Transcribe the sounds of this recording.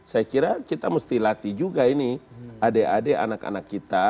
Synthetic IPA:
sajakiɾakit̪aməst̪ilat̪id͡ʒuɡainiadeadea̰naka̰nakːit̪a

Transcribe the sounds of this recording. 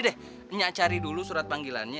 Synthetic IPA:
dɛh | əɲaʔt͡ʃaɾidulusuɾat̪̚paŋɡila̰nɲa

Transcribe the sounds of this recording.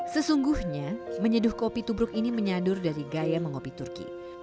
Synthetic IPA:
səsuŋɡuhɲaməɲədʊhkopit̪ubɾʊkiniməɲadʊrdaɾiɡajaməŋopit̪urkḭ

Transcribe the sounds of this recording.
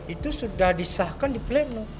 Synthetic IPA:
it̪usudahdisahkandiplɛno

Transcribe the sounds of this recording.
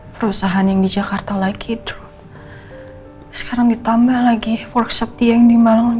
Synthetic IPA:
pəɾusaɦanjaŋdid͡ʒakart̪alaɡidʊ̥h | sə̥kaɾaŋdit̪ambahlaɡifɔrksap̚t̪ijaŋdimalaŋ

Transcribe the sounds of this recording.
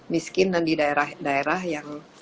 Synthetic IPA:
miskɪndandidaeɾahdaeɾahjaŋ

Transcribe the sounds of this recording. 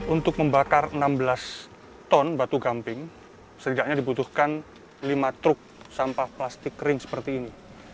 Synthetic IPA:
unt̪ʊk̚məmbakarənambəlas | t̪ɔnbat̪uɡampɪŋ | səɾidaʔɲadibut̪uhkan | limat̪ɾʊk̚sampahplast̪ɪkrɪŋsə̥pərt̪iːni

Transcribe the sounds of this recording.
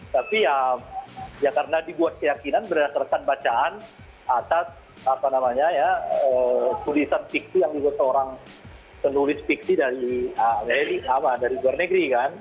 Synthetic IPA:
t̪apiamjakaɾənadibuat̪̚kəjakinanbərdasarkanbat͡ʃaʔan | at̪as | apanamaɲajaət̪ulisanfik̚sijaŋdibuat̪səoɾaŋ | pənulɪsfik̚sidaɾiəmaɾiapadaɾiluarnəɡɾikan

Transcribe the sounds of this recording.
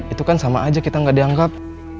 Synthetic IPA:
it̪ukansamaʔːd͡ʒakit̪aŋɡaʔdiaŋɡap̚

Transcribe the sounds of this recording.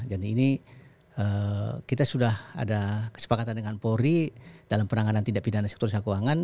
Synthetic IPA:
d͡ʒadiːni | əkit̪asudaha̰dakə̥sə̥pakat̪andəŋanpoɾid̥alampəɾnaŋanant̪idaʔpidanasɛk̚t̪urs̬akuaŋan

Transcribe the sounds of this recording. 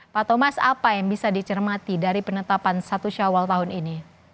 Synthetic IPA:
pat̪omasapajaŋbisadit͡ʃərmat̪idaɾipənət̪apansat̪uʃawalt̪aɦʊnini

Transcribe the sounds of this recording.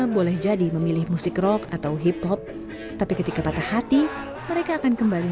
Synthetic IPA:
bolɛhd͡ʒadiməmilɪhmusɪkrɔkat̪awɦiphɔp̚ | t̪apikət̪ikapat̪ahat̪i | məɾekaːkankəmbali

